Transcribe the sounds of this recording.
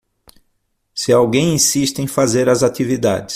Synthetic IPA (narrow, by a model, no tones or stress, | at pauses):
sɪawɡẽj̃ĩsiʃt̪ɪẽj̃fazeɾɐzat̪ivid̪a̰d͡ʒɪs